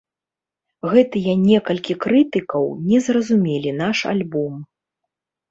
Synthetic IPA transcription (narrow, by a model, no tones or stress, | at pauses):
ɣɛt̪ɨjɐnʲɛkɐlʲkʲikɾɨt̪ɨkɐwnʲɛzrɐzumʲelʲinaʂa̰lʲbɔm